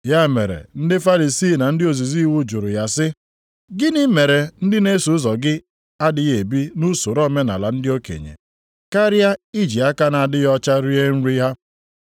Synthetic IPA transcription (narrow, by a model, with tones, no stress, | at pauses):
ja˦mḛ˨ɾḛ˨n̩˦dɪ˦fa˦li˨si˦˨na˨n̩˦dɪ˦o˨zi˨zi˦wu˦d͡ʒʊ˨ɾʊ˨ja˦sɪ˦ | ɡɪ˦nɪ˦me˨ɾe˨n̩˦dɪ˦ne˦su˦zɔ˨ɡɪ˦ | a˦dɪ˨ɣe˨bi˦nu˦so˨ɾɔ˦me˦na̰˨la̰˨n̩˦dɪ˦o˦kḛ˨ɲḛ˨ | ka˦ɾja˦i˦d͡ʒi˨a˦ka˦na˨a˨dɪ˦jɔ˦t͡ʃa˦ɾi˦e˦n̩˦ɾi˦ɦa˦